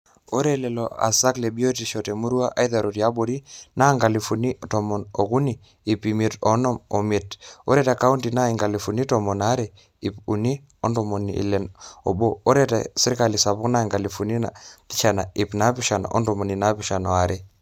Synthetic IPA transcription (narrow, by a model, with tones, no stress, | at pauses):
o˦ɾɛ˦lɛ˨lo̰a̰˨sa˦kle˨bi˦o˦ti˨ʃɔ˨te˨mu˦ɾu˦a˦ʔa˦jða˨ɾo˨ti˨a˦bo˨ɾi˦na˦ŋɡa˨li˨fu˨ni˦tɔ˨mɔ˨no˨ku˦niː˨ | pi˨mi˨tɔ˦nɔ˦mo˨mi˨to˦ɾɛ˦ta˨ka˦u˦ntina˦i˨ŋɡa˨li˨fu˨ni˦tɔmɔ˨na˦ɾe˨ | i˨pu˨ni˦ | ɔ˦ndɔ˨mo˨nḭ˨lɛ˨no̰˨boː˦ɾɛ˦ta̰˨si˦ɾka˨li˨sa˨pu˦kna˦˨ŋɡa˨li˨fu˨ni˦na̰˨pi˦t͡ʃa˨na˨i˨pna˦pi˦ʃa˨n˨ʔɔ̰˦ndɔ˨mo˨ni˨na˦pi˦ʃa˨nɔ˨a˨ɾe˦